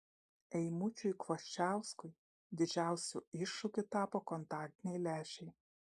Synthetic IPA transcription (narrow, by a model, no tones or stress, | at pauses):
ɛɪmʊt͡ʃʲʊjkʋɔʃʲt͡ʃʲæˑʊskʊɪ | d̪ʲɪd͡ʒʲæˑʊsʲṵˑɪʃːʊkʲʊt̪ɑːpoːkɔnt̪ɑːk̚ʲt̪ʲɪnʲɛɪlʲæːʃʲɛɪ